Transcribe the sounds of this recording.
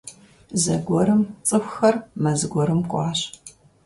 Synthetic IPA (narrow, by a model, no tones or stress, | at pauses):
zɐɡʷɔɾɨmt͡sʼɨxʷxɐrmɐzɨɡʷɔɾɨmkʷʼɑ̰ːɕ